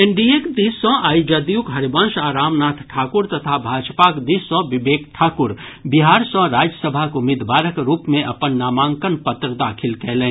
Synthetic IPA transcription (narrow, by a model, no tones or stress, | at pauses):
ẽɳɖiekd̪isɔ̃aːjd͡ʒad̪ijukɦɐɾibə̃nʃaːɾaːmnaːt̪ʰʈʰaːkʊɾt̪ɐt̪ʰabʱaːd͡ʒpakd̪iːsɔ̃bɪbeːkʈʰaːkʊɾ | biɦaːɾsɔ̃ɾaːd͡ʒjəsəbʱakʊmid̪ʋaːɾəkɾuːpmẽʔɐpənːaːmaːŋkənpət̪ɾəd̪aːkʰɪlkɛːlẽː